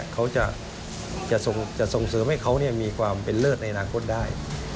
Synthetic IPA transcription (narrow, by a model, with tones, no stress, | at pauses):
kʰa˦˥wt͡ɕa˧˩ʔ | t͡ɕa˨˩ʔso˨˩ŋt͡ɕa˨˩so˨˩ŋsɤː˨˦mha˥˩jkʰa˦˥wni˥˩ɐmiː˧kʰwaː˧mpe˨nlɤː˥˩t̪̚na˧jʔa˧naː˧kʰo˥t̪̚daː˥˩j